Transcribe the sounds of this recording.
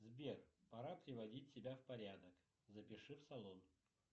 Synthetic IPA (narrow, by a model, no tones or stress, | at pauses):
zbʲerpɐɾapɾʲɪvɐdʲitʲsʲɪbʲafpɐɾʲad̪ək | zəpʲɪʂɨfsɐlˠon